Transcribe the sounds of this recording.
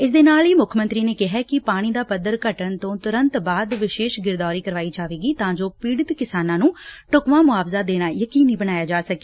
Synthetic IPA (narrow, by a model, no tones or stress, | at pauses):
ɪsd̪eːnaːliːmʊkʰmənt̪ɾiːneːkɪɦɛːkɪpaːɽ̃iːd̪aːpəd̪əɾkəʈəɳt̪õːt̪ʊɾənt̪baːd̪ʋɪʃeːʃɡɪɾd̪aːɾiːkəɾʋaːiːd͡ʒaːʋeːɡiːt̪ãːd͡ʒoːpiːɽət̪kɪsaːnãːnũːʈʊkʋãːmʊaːpzaːd̪eːɽ̃aːjəkiːniːbəñaːjaːd͡ʒaːsəke̥ː